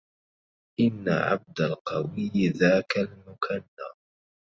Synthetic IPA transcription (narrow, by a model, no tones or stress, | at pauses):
ʔɪnːa̰ʕa̰b̚d̪alqɑwɪjðaːkalmʊkʰanːaː